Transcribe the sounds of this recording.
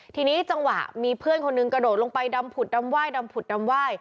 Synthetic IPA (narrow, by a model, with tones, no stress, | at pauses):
t̪ʰiː˧niː˦˥t͡ɕa˧ŋwa̰˨˩ʔmiː˧pʰɯ˥˩ənkʰo˧nːɯ˧ŋkɾa˧doː˨˩t̪̚lo˧ŋpa˧jda˧mpʰu˨˩t̪̚da˧mwaː˥˩jda˧mpʰu˨˩t̪̚da˧mwaː˥˩j